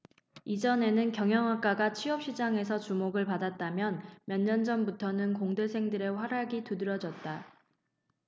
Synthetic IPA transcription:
id͡ʑʌne̞nɯnkjʌŋɦjʌŋɦak͈aɡat͡ɕʰiʌp̚ɕ͈id͡ʑaŋe̞sʰʌt͡ɕumoɡɯɭpadat̚t͈amjʌnmjʌɲːʌnd͡ʑʌnbutʰʌnɯnkoŋde̞sʰe̞ŋdɯɾe̞ɸwaɾaɡitudɯɾʌd͡ʑʌt̚t͈a

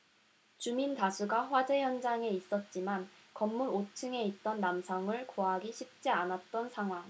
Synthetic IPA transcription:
t͡ɕumintasʰuɡaɸwad͡ʑe̞jʌnd͡ʑaŋe̞is͈ʌt̚t͡ɕ͈imankʌmːuɾot͡ɕʰɯŋe̞it̚t͈ʌnːamsʰʌŋɯɭkoɦaɡiɕʰip̚t͡ɕ͈ianat̚t͈ʌnsʰaŋɦwaŋ

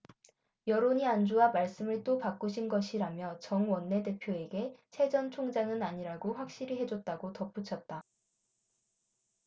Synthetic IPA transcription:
jʌɾoɲiand͡ʑuwamaɭs͈ɯmɯɭt͈opak͈uɕʰinɡʌɕʰiɾamjʌt͡ɕʌŋwʌnːe̞de̞pʰjoe̞ɡe̞t͡ɕʰe̞d͡ʑʌnt͡ɕʰoŋd͡ʑaŋɯnaɲiɾaɡoɸwak̚ɕ͈iɾiɦe̞d͡ʑot̚t͈aɡotʌp͈ut͡ɕʰʌt̚t͈a

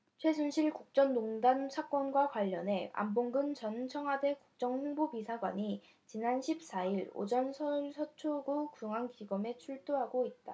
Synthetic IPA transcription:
t͡ɕʰwe̞s̬ʰunɕʰiɭkuk̚t͡ɕ͈ʌnːoŋdansʰak͈wʌnɡwakwaʎːʌne̞a̰mboŋɡɯnt͡ɕʌnt͡ɕʰʌŋɦwade̞kuk̚t͡ɕ͈ʌŋhuŋbopisʰaɡwa̰ɲi | t͡ɕinanɕʰip̚s͈aiɾo̰d͡ʑʌnsʰʌɭsʰʌt͡ɕʰoɡokuŋaŋkiɡʌme̞t͡ɕʰuɭt͈oɦaɡoit̚t͈a

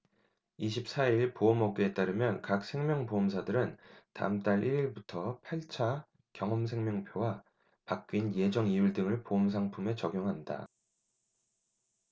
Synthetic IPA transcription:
iɕʰip̚s͈ʰaiɭpoʌmʌɡeet͈aɾɯmjʌnkak̚s͈ʰe̞ŋmjʌŋpomsʰadɯɾɯnta̰ɯmt͈aɾʔiɾiɭbutʰʌpʰaɭt͡ɕʰa | kjʌŋʌms̬ʰe̞ŋmjʌŋpʰjowa | pak̚k͈inje̞d͡ʑʌŋijuɭdɯŋɯɭpoʌms̬ʰaŋpʰume̞t͡ɕʌɡjoŋɦanda̰

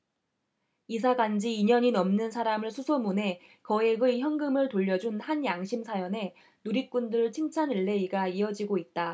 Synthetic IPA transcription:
isʰaɡand͡ʑiːɲʌɲinʌmnɯnsʰaɾamɯɭsʰusʰomune̞ | kʌeɡɯçjʌŋɡɯmɯɭtoʎːʌd͡ʑunhanjaŋɕʰimsʰajʌne̞ | nuɾik̚k͈undɯɾɯɭt͡ɕʰiŋt͡ɕʰanɯɭːe̞iɡaiʌd͡ʑiɡoit̚t͈a

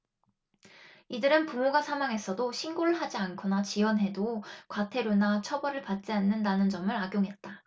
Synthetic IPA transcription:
idɯɾɯnpumoɡasʰamaŋɦe̞s͈ʰʌdoɕʰinɡoɾɯɭɦad͡ʑiankʰonat͡ɕiwʌnɦe̞dokwatʰe̞ɾonat͡ɕʰʌbʌɾɯɭpat̚t͡ɕ͈ianːɯndanɯnd͡ʑʌmɯɾaɡjoŋɦe̞t̚t͈a

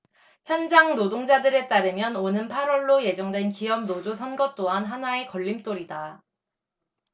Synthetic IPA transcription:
çjʌnd͡ʑaŋnodoŋd͡ʑadɯɾe̞t͈aɾɯmjʌnonɯnpʰaɾwʌɭːoje̞d͡ʑʌŋdwe̞nkiʌm̚nod͡ʑosʰʌnɡʌt͈oɦanɦanae̞kʌʎːimt͈oɾida

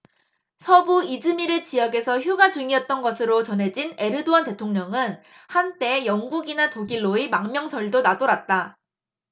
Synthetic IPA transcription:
sʰʌbuid͡ʑɯmiɾɯt͡ɕijʌɡe̞sʰʌçjuɡad͡ʑuŋiʌt̚t͈ʌnɡʌsʰɯɾot͡ɕʌnɦe̞d͡ʑine̞ɾɯdoante̞tʰoŋɲʌŋɯn | hant͈e̞jʌŋɡuɡinatoɡiɭːoimaŋmjʌŋsʰʌɭdonadoɾat̚t͈a

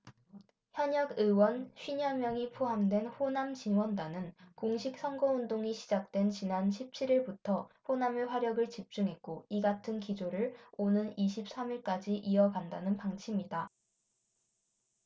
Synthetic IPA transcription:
çjʌɲʌɡɯwʌnɕɥiɲamjʌŋipʰoɦamdwe̞nɸonamt͡ɕiŋwʌndanɯnkoŋɕʰik̚s͈ʰʌŋɡʌundoŋiɕʰid͡ʑak̚t͈we̞nt͡ɕinanɕʰip̚t͡ɕʰiɾiɭbutʰʌɸonameɸwaɾjʌɡɯɭt͡ɕip̚t͡ɕ͈uŋɦe̞k̚k͈oiɡatʰɯnkid͡ʑoɾɯɭonɯniɕ̬ʰip̚s͈amiɭk͈ad͡ʑiʔiʌɡandanɯnpaŋt͡ɕʰimida

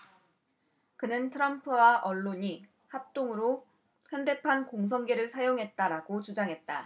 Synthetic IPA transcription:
kɯnɯntʰɯɾʌmpʰɯwaʔʌɭːoɲi | hap̚t͈oŋɯɾo | çjʌnde̞pʰankoŋs̬ʰʌŋɡe̞ɾɯɭsʰajoŋɦe̞t̚t͈aɾaɡot͡ɕud͡ʑaŋɦe̞t̚t͈a̰

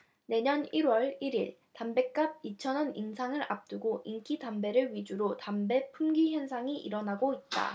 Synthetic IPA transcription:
ne̞ɲʌniɾwʌɭiɾiɭ | tambe̞k͈ab̚it͡ɕʰʌnʌniŋsʰaŋɯɾap̚t͈uɡoʔiŋk͈ʰidambe̞ɾɯɭɥid͡ʑuɾotambe̞pʰumɡiçjʌnsʰaŋiʔiɾʌnaɡoit̚t͈a̰

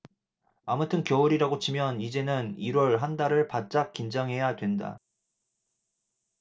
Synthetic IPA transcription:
amutʰɯnkjʌuɾiɾaɡot͡ɕʰimjʌnid͡ʑe̞nɯniɾwʌɭɦandaɾɯɭpat̚t͡ɕ͈ak̚k͈ind͡ʑaŋɦe̞jadwe̞nda̰

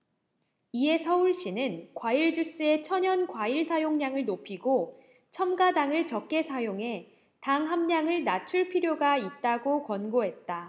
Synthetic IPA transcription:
ie̞sʰʌuɭɕ͈inɯnkwaiɭd͡ʑus͈ɯe̞t͡ɕʰʌɲʌnkwaiɭsʰajoŋɲaŋɯɭnopʰiɡo | t͡ɕʰʌmɡadaŋɯɭt͡ɕʌk̚k͈e̞sʰajoŋɦe̞ | taŋɦamɲaŋɯɭnat͡ɕʰuɭpʰiɾjoɡait̚t͈aɡokwʌnɡoɦe̞t̚t͈a

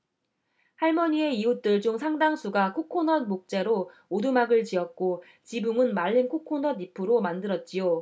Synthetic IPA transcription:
haɭmʌɲie̞iut͈ɯɭd͡ʑoŋsʰaŋdaŋsʰuɡakʰokʰonʌn̚mok̚t͡ɕ͈e̞ɾo | odumaɡɯɭt͡ɕiʌt̚k͈o | t͡ɕibuŋɯnmaɭːinkʰokʰonʌdipʰɯɾomandɯɾʌt̚t͡ɕ͈ijo

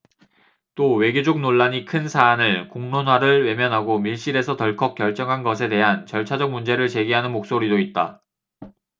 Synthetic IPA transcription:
t͈owe̞ɡjod͡ʑok̚noɭːaɲikʰɯnsʰaːnɯɭkoŋnonwaɾɯɭwe̞mjʌnɦaɡomiɭɕ͈iɾe̞sʰʌtʌɭkʰʌk̚k͈jʌɭt͡ɕ͈ʌŋɦanɡʌsʰe̞te̞ɦant͡ɕʌɭt͡ɕʰad͡ʑʌk̚mund͡ʑe̞ɾɯɭt͡ɕe̞ɡiɦanɯnmok̚s͈oɾidoit̚t͈a̰

